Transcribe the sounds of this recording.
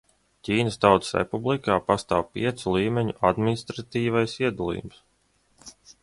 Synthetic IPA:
cʲiːnəst̪awt̪sɾɛ̰publˠikaːpast̪aːwpḭɛt̪sulˠiːmʲɛɲuʔad̪minist̪ɾat̪iːvajsiɛd̪ulˠḭːjums

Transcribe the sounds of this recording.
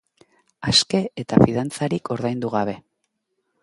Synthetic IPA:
aske̞et̪afiðant͡saɾikʰo̞ɾðajnd̪uɣaβ̞e̞

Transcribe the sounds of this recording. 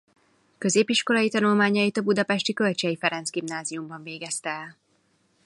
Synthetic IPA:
kø̞zeːpiʃko̞lɒjit̪ɒnulmaːɲɒjit̪ɒbud̪ɒpɛʃt̪ikø̞lt͡ʃɛjifɛɾɛnzɡimnaːziumbɒɱveːɡɛst̪ɛɛl

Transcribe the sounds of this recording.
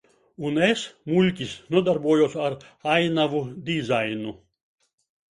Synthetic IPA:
unesmulʲkʲisnuɔd̪aɾbuɔjɔsaɾajnavud̪ʲizajnu

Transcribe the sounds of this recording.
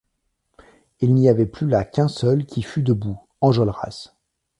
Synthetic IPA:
ilniavɛplylakʲɛ̃sœlkʲifyd̪əbu | ɑ̃ʒɔlʁa̰s

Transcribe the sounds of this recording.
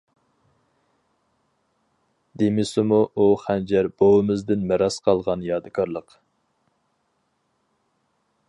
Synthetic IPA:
d̪emɪsɪmuʔuχænd͡ʒæɾb̥owɪmɪzd̪ɪnmɛɾɑsqʰɑlˠʁɑnjɑːd̪ɨkʰɑɾlˠəq

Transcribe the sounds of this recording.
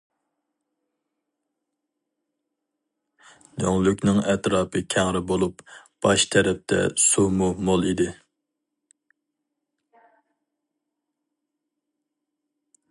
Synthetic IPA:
nøŋlykʲnɪŋɛt̪ɾɑːpɨkʲʰæŋɾɪbolˠupb̥ɑʃt̪ʰɛɾɛp̚t̪ʰɛ̰sumumolˠid̪ɪ

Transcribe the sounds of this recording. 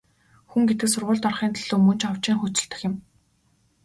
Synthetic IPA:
xuŋɡet̪ɘ̆ksʊrʁʊːɮt̪ɔrχiːnt̪ʰaɮ̥oːmɵnt͡ɕɔw̥t͡ɕiːŋχʊt͡ɕɪ̆ɬt̪ɘ̆xɪ̆m

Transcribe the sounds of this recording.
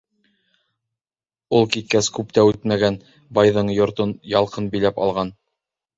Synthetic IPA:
ulˠkit̪̚kæskʉpt̪æʉt̪mæɡæn | bɑjðɤɴjŏɾt̪onjɑlˠqɤnbilæpɑ̰lˠʁɑn

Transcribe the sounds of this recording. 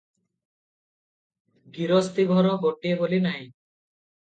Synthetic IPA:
ɡiɾost̪iɡʱɔɾɔɡoʈiebolinaj

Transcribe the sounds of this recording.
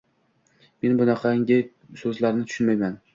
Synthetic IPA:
me̞nbʊnɑqʰɑŋʲɪ | sɵzlaɾnɪt̪ʰʊ̥ʃʊnmajman

